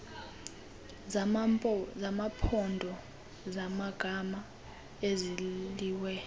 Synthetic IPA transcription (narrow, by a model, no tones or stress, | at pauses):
zamapʰɔndʱɔ | zamaɡ̥ʱama | eziliːwɛ